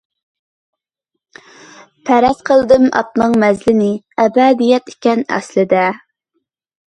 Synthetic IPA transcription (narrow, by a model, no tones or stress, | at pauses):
pʰæɾɛsqʰəlˠd̪ɨmɑ̰t̪nɨŋmɛzlɪnɪ | ɛbɛd̪ijɛt̪e̥kʲɛnɛ̰slɪd̪ɛ